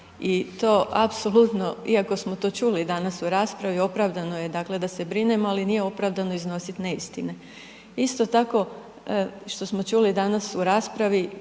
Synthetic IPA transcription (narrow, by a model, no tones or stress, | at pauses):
it̪o̞ːʔapsolˠut̪no̞iako̞smo̞t̪o̞t͡ʃulid̪anasuɾaːspɾaʋio̞pɾaʋd̪ano̞je̞d̪aːkle̞d̪ase̞bɾine̞moalinije̞o̞pɾaːʋd̪ano̞izno̞sit̪ne̞ist̪ine | ist̪o̞t̪ako̞ | ʃt̪o̞smo̞t͡ʃuːlid̪anasuɾaːspɾaʋi